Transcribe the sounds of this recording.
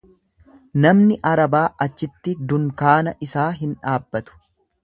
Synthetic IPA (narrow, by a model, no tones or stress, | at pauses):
nɐmnɪʔɐɾɐbaːʔɐt͡ʃːɪt̪ːɪd̪ʊŋkaːnɐʔɪsaːɦɪnᶑaːbːɐt̪ʊ̥